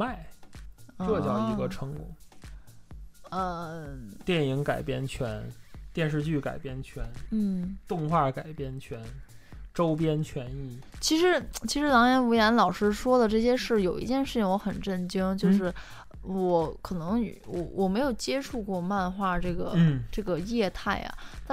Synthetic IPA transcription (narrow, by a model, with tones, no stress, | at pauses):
ma˥˧ɪ | ʈ͡ʂɤ˥˧t͡ɕjɑ˥˧ʊi˧˥ɡə˧ʈ͡ʂʰɤ˧˥ŋkɔ̰˨˩˦ | ə˧t̪jɛ˥˩ni˧˥ŋka˨˩ɪpjɛ̰˥nt͡ɕʰɥɛ˧˥nt̪jɛ˥˧nʂ̬ɻ̩˥˧t͡ɕy˥˩ka̰˨˩ɪpjɛ˥nt͡ɕʰɥɛ˧˥nn̩˥˩t̪ʊ˥˧ŋxwa˥˩ka˨˩ɪpjɛ˥˩nt͡ɕʰɥɛ˧˥nʈ͡ʂo˥ʊpjɛ˥nt͡ɕʰɥɛ˧˥ni˥˩t͡ɕʰi˧˥ʂɻ̩˧˥t͡ɕʰi˧˥ʂɻ̩˧˥lɑ˧˥ŋjɛ˧˥nu˧˥jɛ˧˥nlɑ˨˩ʊʂɻ̩˥ʂwɔ˥d̪ə˨ʈ͡ʂɤ˥˩ɕ̬jɛ˥ʂɻ̩˥˩jo˨˩ʊḭ˧˥t͡ɕjɛ˥˧nʂɻ̩˥˩t͡ɕʰi˩ŋwɔ˧˥xə˨˩nʈ͡ʂə˥˩nt͡ɕi˥ŋt͡ɕjo˥˧ʊʂ̬ɻ̩˥˩ | wɔ˧˥kʰɤ˨˩nɤ˧˥ŋ˧˩wɔ˧˩wʔɔ˨˩me˧˥ɪjo˨˩ʊt͡ɕjɛ˥ʈ͡ʂʰu˥˧kwɔ˥˧ma˥˧nxwa˥˧˩ʈ͡ʂɤ˥˩ɡə˩n̩˩ʈ͡ʂɤ˥˩ɡə˩jɛ˥˧t̪ʰa˥˩ɪɐ̰˩t̪a˥˧